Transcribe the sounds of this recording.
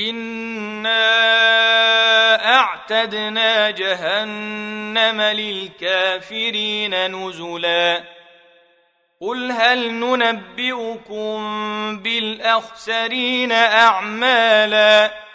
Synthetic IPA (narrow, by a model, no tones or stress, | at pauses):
ʔɪnː | aː | ʔaʕt̪ad̪naːd͡ʒaɦanːamalɪlkaːfɪɾiːnanʊzʊlaː | qʊlɦalnʊnabːɪʔʊkʊmbɪlʔaxsaɾiːnaʔaʕmaːlaː